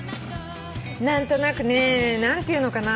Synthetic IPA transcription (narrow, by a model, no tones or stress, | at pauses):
nant̪onakɨnenant̪inokana